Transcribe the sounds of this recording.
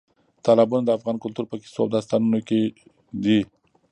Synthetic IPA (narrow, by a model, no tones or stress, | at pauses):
t̪ɑlabunad̪əafɣɑnkʊlt̪uɾpəki̥soawd̪ɑs̬t̪ɑnunoke | d̪i